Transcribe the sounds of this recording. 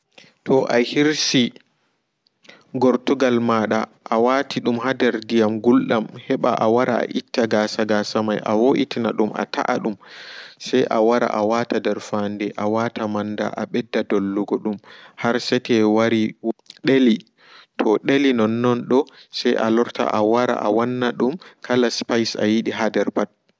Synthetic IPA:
tɔʔahiɾsi | ɡɔɾtuɡalmaɗaʔawatʰiɗumhadɛɾdijamɡulɗamhɛɓaʔawaɾa̰a̰ʔitːaɡaːsaɡasamajʔa̰woʔitinaɗuma̰tʰa̰ʔaɗumsajʔawaɾa̰ʔawatadɛɾfandɛʔawatamanda̰ʔaɓɛdːadolːuɡɔɗumhaɾsɛtɛwaɾiɗeli | tʰɔɗelinɔnːɔnɗɔsajʔalɔɾta̰ʔawaɾa̰ʔawanːaɗumkʰalaspajsa̰jiɗiɦadɛɾpat̚

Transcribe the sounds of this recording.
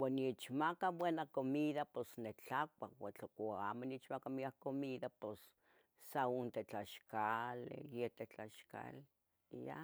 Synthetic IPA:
waniet͡ʃmakabwenakomiðaposnet͡ɬakʷawat͡ɬokoaːmoniet͡ʃmakamiahkomiðapos | saont̪et͡ɬaʃkalḛjet̪et͡ɬaʃka̰le | ja̰

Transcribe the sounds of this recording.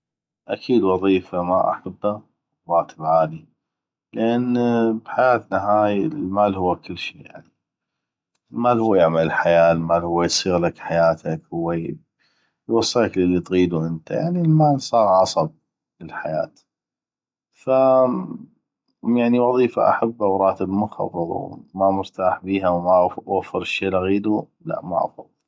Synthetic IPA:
ʔa̰kʰiːd̪wɑðˤiːfama̰ʔa̰ħabːa | ɾˤɑːt̪ʰəbʕaːli | lʔanbħajaːt̪naɦaːjlmaːlhʊwːakɪlːʃḭːja̰ʕni | lmaːlhuwːajaʕmaləlħajaːlmaːlhʊwːajsˤiːɣlakħajaːt̪ʰakwwej | jwɑsˤːɑakllːit̪ɣiːd̪uʔənt̪aja̰ʕnilmaːlsˤɑːɣʕɑsˤɑb̚ | ləlħajaːt̪ | fa | jaʕniwɑðˤiːfa̰ʔa̰ħabːawɾˤɑːt̪əbmʊxɑ̰ðˤɨɾˤṵmamʊɾt̪aːħbiːɦawmawafːəɾˤʃːeːlaɣiːd̪u | la̰ʔma̰ʔɑ̰fɑðˤːɨl

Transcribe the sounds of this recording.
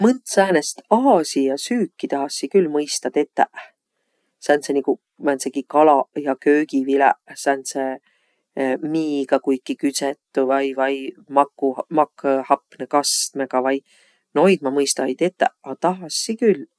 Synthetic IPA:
mɯnt̪sæːnest̪ɑɦɑsijɑsyːkːit̪ɑɦɑsːikylmɤjst̪ɑt̪e̞t̪ːˑæʔ | sænt̪seniku | mænsekikɑlɑjɑkøːɡivilæ̰ʔsænse | miːɡ̥ɑkujkːikyt̪set̪ːuvɑjvɑjmɑkːumɑkːhɑpːnekɑst̪meɡɑvɑj | no̞jd̪̚mɑmɤjst̪ɑjt̪et̪ːˑæ̰ʔɑt̪ɑɦɑsːikylː

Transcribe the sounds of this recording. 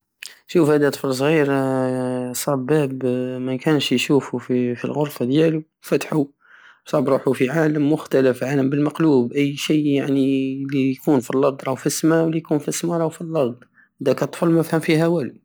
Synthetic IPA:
ʃufhæd̪æt̪ˤfəls̬ˤɣiɾ | sˤɑbæbmækænʃjʃufufifḭlɣoɾˤfad̪jælu | fæt̪ħu | sˤɑbɾˤuħufiʕaləmːʊxt̪æləfʕaləmbəlmɑqluːbʔəjːʃijjaʕnilijkunfilːɑd̪ˤɾˤɑwfismæwlijkunfismaɾˤɑwfilːɑd̪ˤ | d̪ækət̪ˤfəlmæfhəmfihæwæli

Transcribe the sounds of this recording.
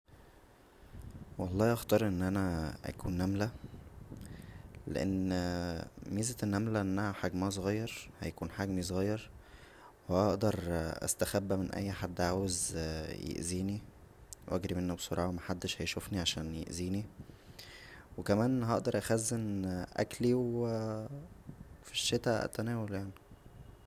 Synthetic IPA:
wɑlˤːɑːʔɑxt̪ɑːɾˤʔenːʔænæʔæ̰kṵːnːæmlæ | lḛʔḛnː | miːzet̪nːæmlæʔenːæhæħaɡmææs̬ˤoɣɑjːɑɾˤhæ̰jækuːnħaɡmis̬ˤɣɑjːɑɾˤ | wæʔɑʔd̪ɑɾˤʔæ̰st̪æxæbːæmenʔæ̰jːħad̪ːʔʕaːwezjḛʔziːni | wʔæɡɾimenːæbsˤoɾˤɑːʕɑmæħad̪ːeʃhæjʃufniʕaʃæːnjḛʔziːni | wekæmæːnɦɑʔd̪ɑɾˤʔæxæzːenʔæ̰kliw | fiʃːet̪æʔæ̰t̪ænæːwæljaʕni

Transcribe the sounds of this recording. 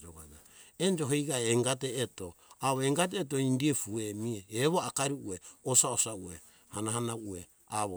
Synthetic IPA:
oɡa̰d͡ʒa | end͡ʒo̞ɦejɡaeeŋɡat̬eːto̞aβoeŋɡat̬eːt̬oindiefuemieeβoakaɾiueosaosauḛ | hanaɦanaue | a̰βo

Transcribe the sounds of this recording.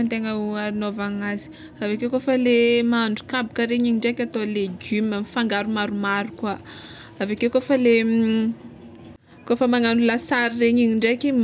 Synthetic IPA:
ant̪eŋaainovaŋazi̥ | avekekofəlemaaɳɖ͡ʐukabikəɾeɲiɲiɳɖ͡ʐekʲat̪oleɡymamifaŋɡaɾumaɾumaɾukwa | avakewkofəle | kofəmaŋanulasaɾireɲiɲiɳɖ͡ʐekim

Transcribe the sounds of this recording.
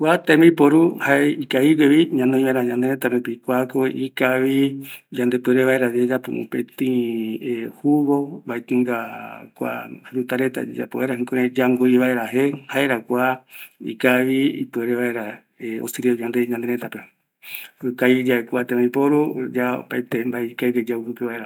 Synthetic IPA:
kʷat̪ẽmĩpoɾuhaeikaiɡeβiɲãnõĩmãɾaɲãnd̪eɾẽt̪apepikʷakoʔikaβid͡ʒãnd̪epɨeɾeβaeɾad͡ʒed͡ʒapṵʔṵ̃pet̪ĩehuβobaet̪ɨŋɡakʷa̰hɾut̪aɾet̪a̰d͡ʒa̰poeɾaɦĩkoɾed͡ʒaŋɡoiβaeɾaɦehaeɾakʷaḭkaβiḭpɨeɾeβaeɾa | eo̰siɾiod͡ʒãnd̪eɲãnd̪eɾẽt̪ape | ɨkaid͡ʒaekʷat̪ẽmãĩpoɾud͡ʒao̰pait̪embaekaiɡed͡ʒaukɨpeβaeɾa

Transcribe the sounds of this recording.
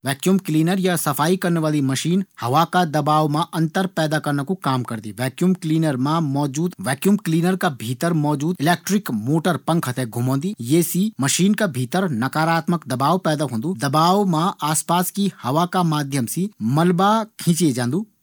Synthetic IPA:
ʋɛːkjuːmkliːnəɾjasɐpʰaːikɐɾnʋaːlimɐʃiːnhɐʋakad̪ɐbaːʋmãʔɐ̃nt̪əɾpɛːd̪akɐɾnəkukaːmkɐɾd̪ḭʋɛːkjuːmkliːnəɾmãmɔːd͡ʒuːd̪ʋɛːkjuːmkliːnəɾkabʱiːt̪əɾmɔːd͡ʒuːd̪ɪleːk̚ʈɾɪkmoːʈəɾpɐ̃ŋkʰɐt̪ʰɛɡʱʊmõːnd̪ijeːsimɐʃiːnkabʱiːt̪əɾnɐkaːɾaːt̪məkd̪ɐbaːʋpɛːd̪aɦõːnd̪ud̪ɐbaːʋmãaːspaːskihɐʋakamaːd̪ʱjəmsimɐlbakʰĩːt͡ʃied͡ʒãːnd̪uː

